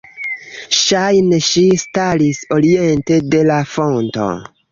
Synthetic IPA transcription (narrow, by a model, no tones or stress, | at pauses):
ʃajneʃistaliso̞ɾie̞nte̞de̞lafo̞nto̞̰